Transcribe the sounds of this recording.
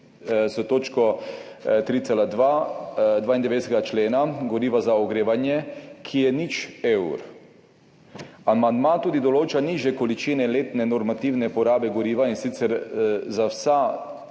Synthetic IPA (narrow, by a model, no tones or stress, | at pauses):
sɔt̪oːt͡ʃkɔ | t̪ɾiːt̪selad̪ʋad̪ʋaːind̪ɛʋeːd̪ɛsɛɡat͡ʃleːnaɡɔɾiːʋazaɔɡɾeːʋanjɛkʰijɛnit͡ʃewɾ | amand̪mãt̪uːd̪id̪ɔloːt͡ʃaniːʒjɛkolit͡ʃiːnɛleːt̪nɛnɔɾmat̪iwnɛpɔɾaːbɛɡɔɾiːʋainsiːt̪sɛɾzawsa